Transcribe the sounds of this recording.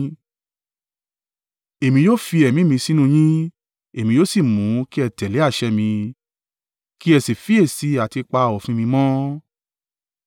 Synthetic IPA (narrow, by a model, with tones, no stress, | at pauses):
e˨mĩ˧joː˦fi˧ɛ˨mĩ˨˦mĩ˧si˦nũ˦˧˨j̃ĩ˦ | e˨mĩ˧˦jo˦si˦˨mũ˨˦ki˦ɛ˧˨tɛ˨le˨˦a˦˨ʃɛ˧mĩ˧ | ki˦ɛ˧˨si˨fi˦e˦˨si˨˦a˨ti˧k͡pa˧˨ɔ˨fĩ˦mĩ˧mɔ̃˦